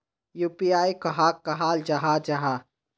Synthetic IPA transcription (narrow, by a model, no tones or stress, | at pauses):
juːpiaːikɐɦaːkːɐɦaːld͡ʒɐɦad͡ʒɐɦa